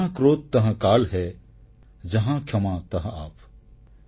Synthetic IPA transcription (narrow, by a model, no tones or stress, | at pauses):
ãkɾoːt̪ːɐɦə̃kaːlɦɛː | d͡ʒɐɦãːkʰjɐmãːt̪ɐɦaːp